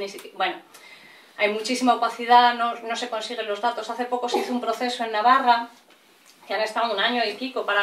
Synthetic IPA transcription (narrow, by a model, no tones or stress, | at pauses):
nisikbwe̞no | ajmut͡ʃisimaopaθiðano̞no̞se̞ko̞nsiɣ̞e̞nlo̞zðat̪o̞saθe̞po̞ko̞seiθoumpɾo̞θe̞soe̞nːaβara | keane̞st̪awunaɲo̞ipiko̞paɾa